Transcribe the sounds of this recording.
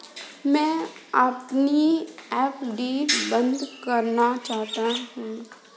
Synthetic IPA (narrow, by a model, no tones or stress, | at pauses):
mɛ̃ːɐpniɛːpɖiːbə̃nd̪kɐɾnat͡ʃaːɦt̪aɦũː